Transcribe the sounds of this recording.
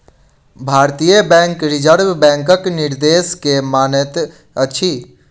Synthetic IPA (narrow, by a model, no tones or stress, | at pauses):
bʱaːɾt̪ijəbɛ̃ːŋkɾɪd͡ʒəɾbbɛ̃ːŋkəknɪɾd̪eːskemaːnət̪ | əʃʰi